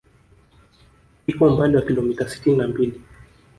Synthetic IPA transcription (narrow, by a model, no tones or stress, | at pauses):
ikɔm̩pandɛwakilɔmitasi̥tininambili